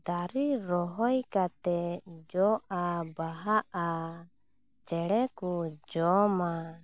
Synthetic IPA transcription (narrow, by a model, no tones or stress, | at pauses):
d̪aɾiɾɔɦɔjkat̪ɛd͡ʒɔʔabaɦaʔa | t͡ʃɛɽɛkud͡ʒɔma